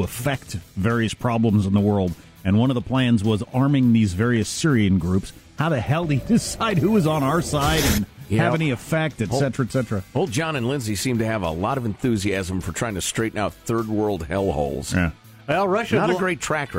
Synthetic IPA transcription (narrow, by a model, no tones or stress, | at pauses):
əfɛk̚tvɛɹiɨspʰɹ̥ɑblə̃mz̃n̩ðəwɜ˞lˠd | ɨ̃nwʌ̃nʌvðəpʰl̥æ̃nzwʌzɑɹmɪ̃ŋðizvɛɹiɨsɪɹiɨ̃nɡɹʉpshaʊɾɨhɛlˠdidɨsaɪd̚huɨzn̩aʊə˞saɪɾɨ̃njɨvɛniɨfɛk̚tɨtsɛtəɹɨtsɛtɹɨoʊlˠd̚d͡ʒɑ̃nɨ̃nlɪ̃nzisĩmtɨːvə̰lɔɾʌvɨ̃n̩θʉziæzə̃ɱfə˞tʰɹ̥aɪɪ̃ŋtʰɨstɹ̥eɪɾn̩aʊt̪̚θɜ˞d̚wɜ˞lˠd̚hɛlˠho̰ʊlˠz̥jæ̰ | ɛɹʌʃnəɨɡɹeɪtʰɹ̥æk